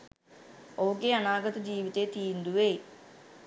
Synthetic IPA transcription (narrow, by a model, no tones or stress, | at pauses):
oːkeɐnaːɡɐd̪ɐd͡ʑiːʋit̪et̪ijund̪uʋe